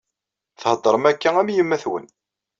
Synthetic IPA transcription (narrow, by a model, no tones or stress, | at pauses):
θhəd̪ˤːəɾˤəmækːææmjəmːæθwə̰n